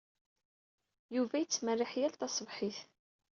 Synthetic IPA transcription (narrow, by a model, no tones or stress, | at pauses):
juvæjət͡sːmərːɪħjælt̪ɑsˤvħiθ